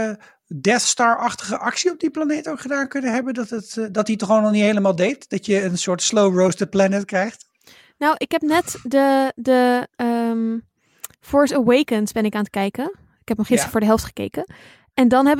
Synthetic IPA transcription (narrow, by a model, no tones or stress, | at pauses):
dɛθstɑːɹɑχtəχəʔɑksiɔb̚diplanejtowkχədaːnkɵnəɦɛbəndɑtətdɑtitɔχoːnɔχnitɦejləmaːlˠdejtd̥ɑtjəːnsʊːɹtslowɹowsdəplɛnətkrɛjχt | nowʔɪkɦɛp̚nɛtdədəəm | fɔːɹsəwejkənsbɛnɪkaːnət̚kɛjkən | ɪkɛp̚nɔχɪstə̥fʊːɹdəɦɛlˠftχə̥kḛjkə | ɛndɑnɦɛbə